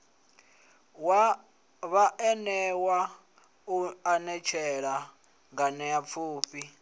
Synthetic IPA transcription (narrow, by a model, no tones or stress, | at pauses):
βaʔɛnɛwa | uanɛt͡ʃʰɛɺa | ŋɡanɛjap̪fʰuːpʰi